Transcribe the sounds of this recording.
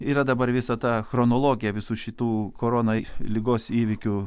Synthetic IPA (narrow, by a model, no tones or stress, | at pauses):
iːɾɐd̪ɐbɐɾʋʲɪsɐt̪ɑːxɾonoːlˠoːɡʲɪjɛʋʲɪsuːʃʲɪt̪uːkoːɾoːnɐilʲɪɡoːsiːʋʲɪkʲʊ